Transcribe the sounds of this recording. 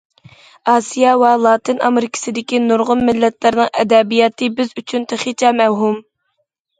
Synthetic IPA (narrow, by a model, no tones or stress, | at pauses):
ɑːsijɑwɛlˠɑːt̪ʰɨnɑmɪɾkʲʰɪ̥sɪd̪ɪkʲinuɾʁʊnmɪlːɛt̪lɪɾnɨŋʔɛd̪ɛbijɑt̪ʰɨbɪzyt͡ʃʰynt̪ʰeχit͡ʃʰɛmɛwɦum